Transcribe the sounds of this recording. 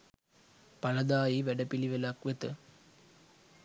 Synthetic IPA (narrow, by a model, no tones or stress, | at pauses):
pɐlɐd̪aːjiʋæɖɐpiliʋelakʋet̪ə